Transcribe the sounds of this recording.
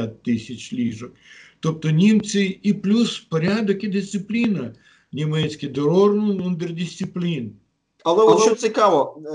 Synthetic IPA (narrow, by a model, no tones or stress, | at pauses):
at̪t̪ːɪsʲɐt͡ʃlʲiʒɔkt̪ɔp̚t̪ɔnʲimsʲɪiplʲuspɔɾʲad̪ɔkid̪ɪsʲt̪sɪplʲinɐ | nʲimɛt͡sʲkʲɪd̪ɔɾɔrmʊnund̪ɛrd̪ʲɪsʲt̪ɪplʲin | ɐlˠɛɔt͡ʃsʲɪkaʋɔ